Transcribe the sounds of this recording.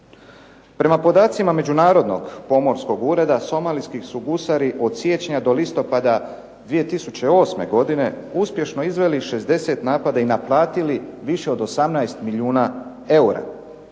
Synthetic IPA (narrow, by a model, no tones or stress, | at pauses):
pɾe̞mapo̞d̪aːt̪simame̞d͡ʑunaːɾo̞d̪no̞̰ɡpo̞mo̞ɾsko̞ɡuːɾe̞d̪aso̞maːlijskisuɡusaɾiʔo̞d̪sje̞ːt͡ɕeɲad̪o̞list̪o̞pad̪a | d̪ʋije̞t̪isut͡ɕe̞o̞sme̞̰ɡo̞d̪ine̞ | uspje̞ʃno̞izʋe̞liʃe̞zd̪e̞se̞t̪naːpad̪ainaplˠaːt̪iliʋiʃe̞o̞d̪o̞samnajst̪miʎiuːna | e̞uɾa̰